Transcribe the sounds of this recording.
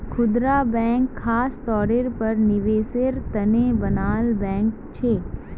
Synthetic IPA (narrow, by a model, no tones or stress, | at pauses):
kʰʊd̪ɾaːbɛ̃ːŋkʰːaːst̪ɔːɽeɾpɐɾnɪʋeːseɾt̪ɐnebɐnaːlbɛ̃ːŋk | t͡ʃʰeː